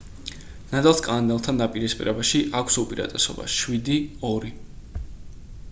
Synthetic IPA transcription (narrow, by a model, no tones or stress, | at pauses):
nad̪alˠskʼand̪ɛlˠt̪ʰand̪apʼiɾɛspʼḭɾɛbaʃiʔakʷʰsupʼiɾa̰t̪ʼɛsɔ̰ba̰ʃwid̪iɔɾi